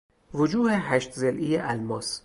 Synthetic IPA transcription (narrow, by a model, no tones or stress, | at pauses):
vod͡ʒuːheɦæʃt̪zelʔijeʔælmɒːs